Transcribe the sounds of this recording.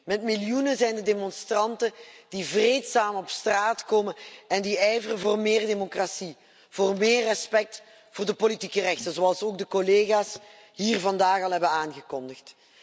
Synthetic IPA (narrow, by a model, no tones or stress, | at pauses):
mɛtmɪljunəzɛjndədemɔnstrɑntəd̥ivreːtsaːmɔpstraːtkoːmənɛndiɛjvərəvoːrmɪːrdemokrasi | v̥oːrmeːrːɛspɛk̚t | vʊːrdəpolitikərɛxtənzoɑlˠsoːɡ̚dəkoleːɣaːs | ɦiːrvɑndaːɣɑlˠɦɛbənaːnɣəkɔndəxt